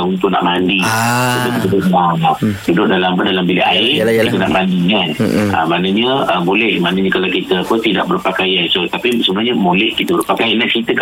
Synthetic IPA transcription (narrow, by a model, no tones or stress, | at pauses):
unt̪ʊʔna̰ʔmandikit̪ədudʊʔmaadudʊʔ̚dalampədalambilɛaɪkit̪əna̰ʔmandianə̰manəɲəəbolɛhmanəɲəkalawkit̪əkət̪ida̰ʔbərpakajant͡ʃot̪apisəbənaɲəmolɛhkit̪əbəɾrpakajanaʔt͡ʃit̪ək